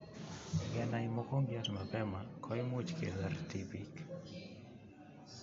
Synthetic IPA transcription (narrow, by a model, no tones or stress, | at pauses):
ɡɛnajmokoŋɡjasmapɛmakʰɔjmut͡ʃkḛlart̪ipik